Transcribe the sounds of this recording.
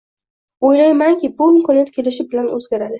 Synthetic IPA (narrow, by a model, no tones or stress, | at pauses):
ojlajmaŋkʲʰɪbʊɪmkʰɒnijat̪̚kʲʰe̞lɪʃɪbɪlanɵ̰zɡʲaɾad̪ɪ